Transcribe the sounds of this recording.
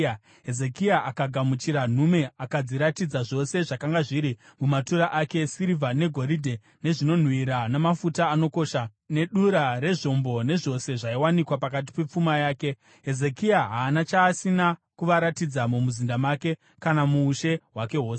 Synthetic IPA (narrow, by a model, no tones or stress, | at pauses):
ɦeze̞kiaʔakaɡʱamut͡ʃiɾan̤ume̞akad͡ziɾatid͡zaʐo̞se̞ʐakaŋɡaʐiɾimumatuɾaʔake̞siɾivane̞ɡʱo̞ɾidʱe | ne̞ʐino̞n̤wiɾanemafutaːno̞ko̞ːʃa | ne̞ɗuɾaɾe̞ʐo̞mbo̞ne̞ʐo̞se̞ʐaiwanikwapakat̬i̥pe̞p͡fumajaːke̞ | ɦe̞ze̞kiaɦaːnat͡ʃaːsinakuʋaɾatid͡zamumuzindamake̞ | kanamuːʃe̞ɦwake̞ɦoːse